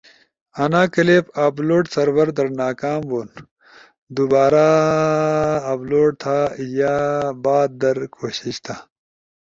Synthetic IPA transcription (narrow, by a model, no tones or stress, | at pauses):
ɐnaːkɐleːpaːbloːʈsɐɾwɐɾd̪ɐɾnaːkaːmboːn | d̪ubaːɾa | bloːʈ̚t̪ʰaːjabaːd̪̚d̪ɐɾkʰoːɕiɕt̪ʰaː